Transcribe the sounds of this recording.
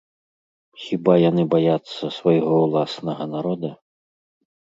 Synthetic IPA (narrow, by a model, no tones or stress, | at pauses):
xʲibajanɨbajat̪sːɐsvajɣɔwlˠasnɐɣɐnaɾɔd̪ɐ